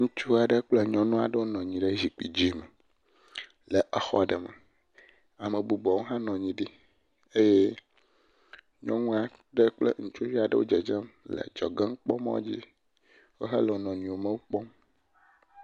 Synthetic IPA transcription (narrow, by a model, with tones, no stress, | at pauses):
ŋũ˦t͡ʃu˦a˨ɖə˦k͡ple˦ɲɔ̃˨nũ˦a̰˨ɖə˦wo˦nɔ̃˨ɲĩ˨ɖə˦zi˨k͡pi˨d͡ʑi˦me˨ | le˨ʔɛ˨xɔ̰˦ɖɛ˨me˨ | a˨me˨bu˨bɔ˨wo˦ɦã˦nɔ̃˨ɲĩ˨ɖi˦ | e˦je˦ | ɲɔ̃˦ŋũ˦a˨ | ɖə˦k͡plḛ˦ŋũ˨t͡ʃo˦vi˦a˨ɖə̰˦wo˦d͡ʒɛ˨d͡ʒɛ˦mlḛ˨d͡ʒɔ˨ɡe˦ŋ˦k͡pɔ˦mɔ̰̃˦d͡ʑi˦ | wo˦ɦɛ˦lɛ˨o˨nɔ̃˨ɲĩ˨wo˨mẽ˦wo˦k͡pɔ˦m